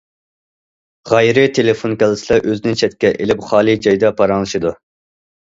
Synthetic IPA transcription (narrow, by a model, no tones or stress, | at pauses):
ʁɛjɾɪt̪ʰelɪfonkʲɛlˠɪslˠɛʔøzɪnɪt͡ʃʰɛt̪̚kʲɛʔelɪpχɑːlˠɨd͡ʒɑjd̪ɑpʰɑɾɑŋlˠɨʃɨd̪u